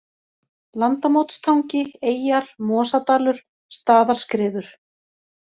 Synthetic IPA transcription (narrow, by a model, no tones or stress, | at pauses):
lant̪amowt̪st̪ʰawɲcɪeːjaɾ̥mɔːsat̪aːlʏɾ̥ | st̪aːðaɾ̥skɾɪːðʏɾ̥